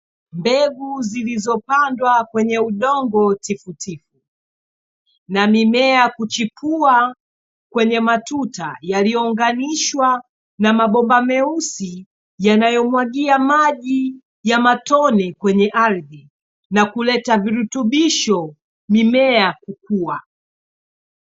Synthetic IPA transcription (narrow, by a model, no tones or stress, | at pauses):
mbɛɡuzilizɔpandwakwɛɲɛuɗɔŋɡɔtifutʰifu | namimɛakut͡ʃipʰua | kwɛɲɛmatutajalijɔuŋɡaniʃwa | namaɓɔmbamɛusi | janajɔmwaɠiamaʄi | jamatɔnɛkwɛɲɛʔaɾði | nakulɛtaviɾutuɓiʃɔ | mimɛakuk̚ua